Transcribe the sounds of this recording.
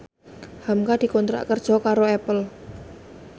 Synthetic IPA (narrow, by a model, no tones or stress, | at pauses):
hamkad̪̥i̤kont̪ɾa̰ʔkərd̥ʒ̥ɔ̤kaɾoɛpəl